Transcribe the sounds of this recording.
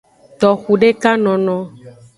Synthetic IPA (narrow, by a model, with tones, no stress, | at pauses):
t̪ɔ˨xu˨ɖe˦ka˦nɔ̃˨nɔ̃˨